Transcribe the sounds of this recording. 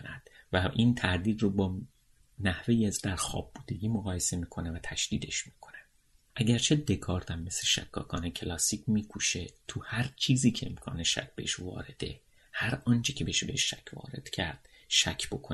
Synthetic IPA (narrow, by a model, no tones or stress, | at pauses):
næd̪̥væʔiːnt̪ʰæɾd̪iːd̪robɒː | næhve̞jiæzd̪æɾxɒ̰ːb̚ːuːd̪e̞ɡiːmoɣɒːje̞se̞miːkʰo̞nevæt̪ʰæʃd̪̥iːd̪e̞ʃmiːkʰo̞̥ne | ʔæɟæɾt͡ʃʰe̞d̪e̞kʰɒːɾt̪ʰæmːe̞seʃæ̰kʰːɒ̰ːkʰɒːnecʰelɒːsiːcmiːkʰuʃe̞t̪ʰuhæɾt͡ʃʰiːziːcʰe̞emkʰɒ̰ːneʃæ̰cʰbḛeʃvɒ̰ːɾe̞d̪̥e̞̰ | hæɾɒːnt͡ʃʰecʰebeeʃbeheʃːæ̰cʰvɒ̰ːɾe̞̰d̪̥cʲʰæɾd̪̥ | ʃæcʰb̥o̞kʰo